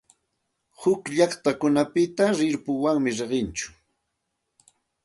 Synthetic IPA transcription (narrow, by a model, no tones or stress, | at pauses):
hʊkʎɑχt̪akʊnapɪt̪aɾɪɾpʊwaŋmɪɾeɢɪnt͡ʃʊ̥